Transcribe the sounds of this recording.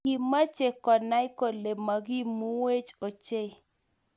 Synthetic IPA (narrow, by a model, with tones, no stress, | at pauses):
i˨ma˦t͡ʃe˨kɔ˨na˦ɪ˦ko˨le˨ma˨ɡi˦mu˦we˦t͡ʃo˨t͡ʃe˦˨